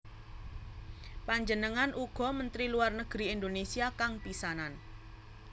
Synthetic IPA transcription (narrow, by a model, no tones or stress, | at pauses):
paɲd͡ʒənəŋanʔuɡ̥ɔ̤mənt̪ɾiluarnəɡ̥ɾiind̪onesiakaŋpisanan